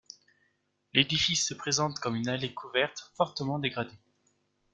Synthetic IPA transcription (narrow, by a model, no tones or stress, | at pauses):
led̪ifisːəpχezɑ̃t̪kɔmynalekʰuvɛʁt̪fɔʁt̪əmɑ̃d̪eɡʁad̪e